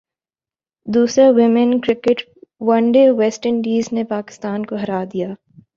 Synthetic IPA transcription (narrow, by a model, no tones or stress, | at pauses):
d̪uːsɾawɪmɪnkɾɪkɪʈ | wɐ̃ɳɖewɛːsʈəɾɳɖiːznepaːkɪ̥st̪aːnkoɦɐɾaːd̪ijaː